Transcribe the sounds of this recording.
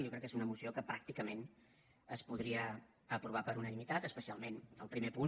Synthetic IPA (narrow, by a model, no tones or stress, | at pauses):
jokɾɛkːezunəmusiokəpɾak̚t̪ikəmen | əspuð̞ɾiə | əpɾuβ̞apəɾunənimit̪at̪əspəsialˠmenəlˠpɾimepu